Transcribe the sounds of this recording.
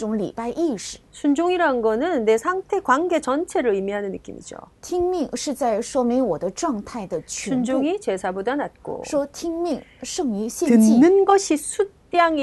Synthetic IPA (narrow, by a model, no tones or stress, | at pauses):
ʈ͡ʂʊŋlḭpaɪʔiʂɻ̩̥sʰund͡ʑoŋiɾaɯnɡʌnɯnːesʰaŋtʰe̞kwanɡe̞t͡ɕʌnt͡ɕʰe̞ɾɯɭimiɦanɯnːɯk͈ḭmḭd͡ʑo̰t̪ʰiŋmiŋʂɻ̩t͡saɪʂwɔmiŋwɔd̪əʈ͡ʂwɑŋt̪ʰaɪd̪ət͡ɕʰund͡ʑoŋit͡ɕe̞sʰabodanat̚k͈o̰ʂwɔt̪ʰiŋmiŋʂɤŋyɕjɛt͡ɕinɯnɡʌɕʰisʰut͈jaŋi